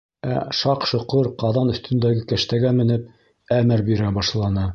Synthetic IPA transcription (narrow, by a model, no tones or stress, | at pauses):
æ̰ʃɑqʃŏqɤɾqɑðɑnɵ̆θt̪ɵ̆nd̪æɡɘkæʃt̪æɡæmɘ̆nɘp̚ | æmɘɾbiɾæbɑʃlˠɑnɤ